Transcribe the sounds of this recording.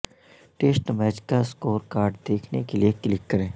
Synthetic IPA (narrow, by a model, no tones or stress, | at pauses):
ʈeːsʈmɛːd͡ʒkaskoːɾkaːɾɖd̪eːkʰnekelieklɪkːɐɾẽː